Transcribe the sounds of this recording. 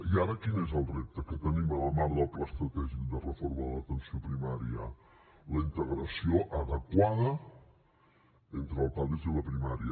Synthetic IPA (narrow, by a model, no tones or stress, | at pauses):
iaɾəkinezəlˠrep̚t̪əkət̪ənimələmaɾðapləst̪ɾət̪ɛʒid̪ərəfoɾməðələt̪ənsiopɾimaɾiə̰ | ləint̪əɣɾəsioʔəðəkwaðə | ent̪ɾəːlˠpaliziləpɾimaɾiə